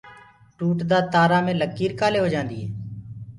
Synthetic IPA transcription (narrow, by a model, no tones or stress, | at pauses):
ʈuːʈd̪aːt̪aːɾaːmẽːləkːiːɾkaːleːɦoːd͡ʒãːnd̪iːɦḛː